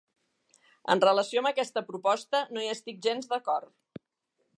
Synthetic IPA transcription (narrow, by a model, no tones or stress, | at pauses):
ə̰nrələsioəmbəkɛst̪əpɾupɔst̪ənoiəst̪ik̚ʒenzd̪əkɔr